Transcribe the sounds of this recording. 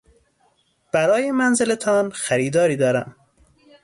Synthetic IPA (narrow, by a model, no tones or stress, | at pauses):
b̥æɾɒːjemænzelet̪ʰɒːnxæɾiːd̪ɒːɾiːd̪ɒːɾæm